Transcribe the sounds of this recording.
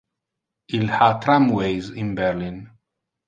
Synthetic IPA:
ilhat̪ɾãmwejzĩnbɛɾlĩn

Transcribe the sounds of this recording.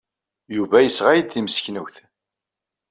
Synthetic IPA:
juvæjəsʁajəd̪θiməsçnəwθ

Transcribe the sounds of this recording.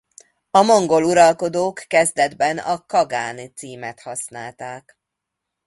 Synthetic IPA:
ɒmo̞ŋɡo̞luɾɒlko̞d̪oːkːɛzd̪ɛd̪bɛnɒ̰kɒɡaːnit̪siːmɛt̪hɒsnaːlt̪aːk

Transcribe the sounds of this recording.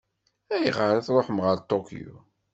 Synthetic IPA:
æjəʁəɾaθɾˤoħmʁəlt̪ˤːokjṵ

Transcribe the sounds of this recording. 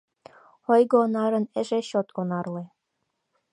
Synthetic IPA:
ɤjɣŏːnɑɾɤ̆nĕʒeɕot̪onɑrlĕ

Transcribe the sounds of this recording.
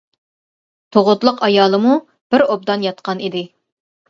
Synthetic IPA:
t̪ʰoʁʊt̪lˠəqɑjɑːlˠəmu | b̥ɪɾob̚d̪ɑnjɑt̪̚qʰɑnid̪ɪ

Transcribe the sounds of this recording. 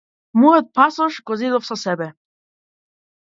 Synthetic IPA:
muɦɛt̪̚pʰasɔʃɡɔzid̪ɔfsasɛbɛ

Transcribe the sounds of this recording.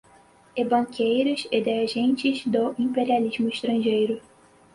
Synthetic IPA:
ebɐ̃ŋkʰejɾʊzɪd̪eɾeʒẽnt͡ʃɪzd̪ʊʔĩpeɾializmʊiʃt̪ɾɐ̃ʒejɾʊ

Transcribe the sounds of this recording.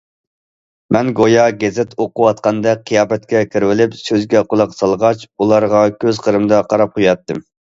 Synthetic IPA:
mɛnɡojɑɡʲɛzɪt̪ʰoqʊwɑt̪qɑnd̪ɛqʰijɑːbɛt̪̚kʲɛkʲʰiɾwɪlɪpsøzɡʲɛqolˠɑqsɑlˠʁɑt͡ʃulˠɑɾʁɑkʲʰøzqʰəɾɨmd̪ɑqʰɑɾɑp̚qʰujɑt̪ːɨm

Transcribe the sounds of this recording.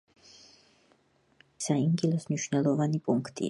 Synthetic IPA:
saimɡilˠɔsmniʃwnɛlˠɔvanipʼuŋkʰt̪ʼḭ

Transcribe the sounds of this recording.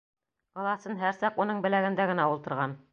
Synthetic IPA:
ɑlˠɑsɤnɦæɾsɑqunɤɴbɘ̆læɡɘ̆nd̪æɡɘ̆næulˠt̪ɤ̆ɾʁɑn

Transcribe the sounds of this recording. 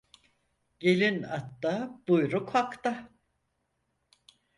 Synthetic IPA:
ɟ̥elʲinat̪ːab̥ujɾukhakt̪a

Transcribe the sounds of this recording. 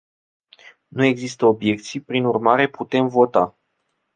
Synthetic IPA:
nue̞ɡzist̪əo̞bje̞k̚t̪sijpɾinurmaɾe̞put̪e̞mvo̞t̪a

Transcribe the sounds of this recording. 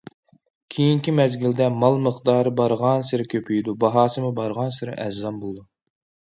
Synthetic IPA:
kʲʰejiŋkʲimɛzɡʲild̪ɛmɑlˠməχd̪ɑːɾɨbɑɾʁɑnsɨɾɪkʲʰøpʰyjd̪ubɑɦɑːsɨmɨbɑɾʁɑnsɨɾɪ̰ʔɛd͡ʒzɑmbolˠɨd̪u

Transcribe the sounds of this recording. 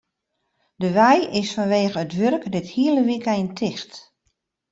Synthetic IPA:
dəʋɛjɪsfɔnʋeːɣəətʋørkdɪthiələʋikjntʰɪxt

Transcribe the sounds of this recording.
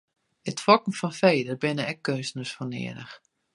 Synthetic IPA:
ətfɔkn̩fɔnfeːdərbɪnəɛkːøːsnəsfɔnɪ̰ədə̰x

